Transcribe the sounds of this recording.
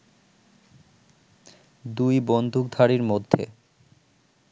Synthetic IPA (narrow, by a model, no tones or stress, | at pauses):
d̪ujbond̪ʱuk̚d̪ʱaɾiɾmod̪ʱːḛ